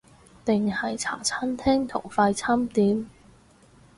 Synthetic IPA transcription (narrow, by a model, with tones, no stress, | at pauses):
t̪ɪ˨ŋhɐ˨jt͡sʰa̰ː˨˩t͡sʰaː˥nt̪ʰɛː˥ŋt̪ʰʊ̰˨˩ŋfaː˧jt͡sʰaː˥mt̪iː˨˥m